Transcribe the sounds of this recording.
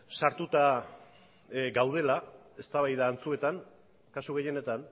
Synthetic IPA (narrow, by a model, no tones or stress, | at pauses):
saɾt̪ut̪a | ɡawð̞e̞lae̞st̪aβajðaːnt͡sue̞t̪aŋ | kasuɣe̞je̞ne̞t̪an